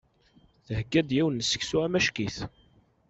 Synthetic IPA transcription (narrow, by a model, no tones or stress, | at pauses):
θəhəɡːæd̪jiwənːəsə̥ksuæmæʃkiθ